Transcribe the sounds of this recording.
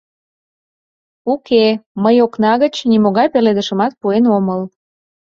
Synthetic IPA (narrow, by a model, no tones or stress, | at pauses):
ukeməjoknɑɣət͡ɕnimoɣɑjpeled̪əʃə̆mɑt̪̚puenoməl